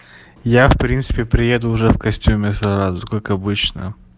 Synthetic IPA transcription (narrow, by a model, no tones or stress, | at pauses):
jafpɾʲint̪sɨ̥pʲɪpɾʲɪjed̪ʊːʐɛfkɐsʲtʲumʲɪsɐɾazʊkakɐbɨt͡ɕnə̰